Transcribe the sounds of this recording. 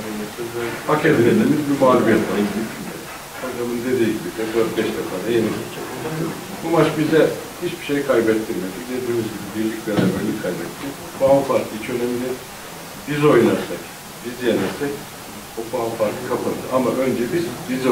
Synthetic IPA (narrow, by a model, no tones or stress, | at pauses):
hakʰeɾinelimizbimaːlʲubijɛt̪baɯnid̪it̪ʰilmḛli | ad̪amɯnd̪e̞d̪iːɟibiɛd̪øɾt̪̚bɛʃd̪ɛfaːd̪ajenibit͡ʃʰɛk̪id̪a | bumat͡ʃbizɛhit͡ʃbiʃejkʰajbɛt̪ʰːiɾmelʲid̪e̞d̪iːmizɟibibiɾlʲicbeɾabɛɾlʲikʰajbɛt̪ʰːi | fʰoanfaɾklˠɯit͡ʃʰø̞neminɛ | b̥izo̞jnaɾsak | bizjenɛɾsɛc | ofoanfaɾk̪lˠɯkʰapʰand̪ʰɯʔamaʔø̞nd͡ʒɛbizbiz